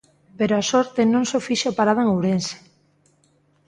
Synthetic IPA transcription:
peɾoasoɾt̪enõŋsofiʃopaɾaðaeŋowɾense̥

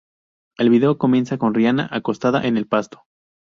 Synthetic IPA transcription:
e̞lβiðe̞o̞ko̞mje̞nsako̞nrjanaʔako̞st̪aða̰ʔe̞ne̞lpast̪o̥

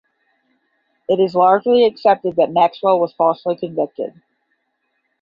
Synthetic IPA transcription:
ɨɾɨzlɑɹd͡ʒliɨksɛp̚tɨd̪̚ðɨt̚mækswəlˠwʌz̥fɔsl̩ˠikʰɨ̃ɱvɪk̚tɪ̰d̥̚

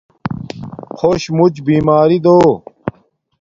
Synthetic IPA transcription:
xʰoɕmut͡ɕbiːmaːɾid̪oː

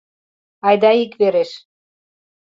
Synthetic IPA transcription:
ɑjd̪ɑikveɾeʃ

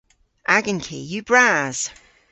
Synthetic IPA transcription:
ʔaɡə̃nkʰḭːjəb̥ɹaːz̥

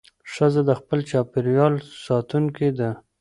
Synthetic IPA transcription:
ʂəzad̪əxpəlt͡ʃɑpɪɾjɑlsɑt̪uŋked̪a

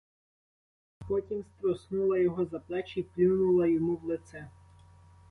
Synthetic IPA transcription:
pɔtʲimst̪ɾɔsnulˠɐjɔɦɔzɐplˠɛt͡ʃiplʲɪwnʊlˠɐjɔmuwlˠet̪sɛ

